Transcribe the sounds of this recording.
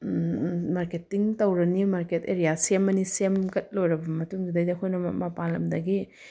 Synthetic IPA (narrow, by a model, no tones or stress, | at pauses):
maɾketːiŋtɐwɾɐnimaɾketḛɾijasemːɐnisemkɐt̚lojɾɐbɐmɐtuŋɡidɐjdɐkʰojnɐmɐ̰mɐpalɐ̰mdɐɡi